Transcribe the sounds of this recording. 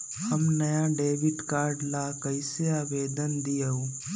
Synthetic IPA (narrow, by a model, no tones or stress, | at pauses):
hɐmnɐjaɖeːʋɪʈkaːɾɖlakɐɪseaːʋeːd̪ənd̪ijəoː